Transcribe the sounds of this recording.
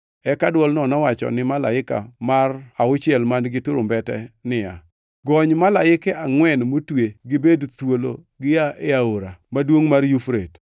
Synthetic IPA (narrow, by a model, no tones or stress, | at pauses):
ɛkadwɔlnɔnɔwat͡ʃɔ̰nɪmala̰ɪka̰maraʊt͡ʃjɛlmandɡɪtʊɾʊmbɛtɛ̰nɪja̰ | ɡɔɲmalaɪkɛaŋwɛnmotweɡɪbedt̪wolo | ɡɪaʔeaoɾamadwoŋmarjufɾet